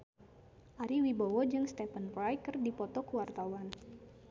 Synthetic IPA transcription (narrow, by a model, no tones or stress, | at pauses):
ʔaɾiwibawɔd͡ʒɨŋst̪ɛfənpɾajkɨrdipɔt̪ɔkəwart̪awan